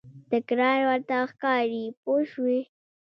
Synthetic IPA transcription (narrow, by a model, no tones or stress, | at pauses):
d̪̥əkɾɑjwəɾt̪axkɑɾipoʃwi